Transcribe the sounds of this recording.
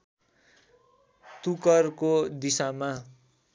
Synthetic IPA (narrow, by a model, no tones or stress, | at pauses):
t̪ukʌrkod̪isama